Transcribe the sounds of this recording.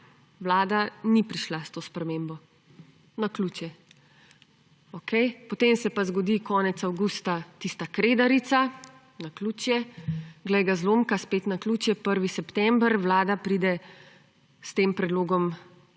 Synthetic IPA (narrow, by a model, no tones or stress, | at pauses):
ʋlaːd̪anipɾiʃlast̪oːspɾɛmeːmbɔ | nakluːt͡ʃjɛ | okʰɛjpɔt̪emsɛpazɡɔd̪ikʰɔːnɛt̪sawɡust̪at̪ist̪akɾed̪aɾit̪sa | nakluːt͡ʃjɛɡlɛjɡazloːmkaspet̪nakluːt͡ʃjɛpəɾʋisɛpt̪ɛmbɾʋlaːd̪apɾiːd̪ɛ | st̪eːmpɾɛd̪loːɡɔm